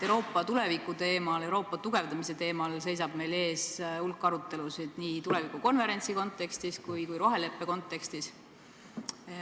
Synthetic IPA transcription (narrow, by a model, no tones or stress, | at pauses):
ewɾo̞ːpːˑɑt̪ule̞vikːˑut̪e̞ːmɑle̞wɾo̞ːpːˑɑt̪uɡ̥e̞vd̪ɑmise̞t̪e̞ːmɑlse̞js̬ɑb̥me̞jle̞ːsulkːˑɑɾut̪ːe̞lusid̪̥niːt̪ule̞vikuko̞nve̞ɾe̞nʲt̪siko̞nt̪ːˑe̞kst̪iskujkujɾo̞ɦe̞le̞pːeko̞nt̪ːˑe̞kst̪is